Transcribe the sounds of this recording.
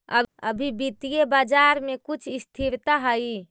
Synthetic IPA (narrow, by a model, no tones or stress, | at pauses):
ə̰əbʱibit̪ijebaːd͡ʒaɾmekut͡ʃʰɪst̪ʰiɾt̪aɦəi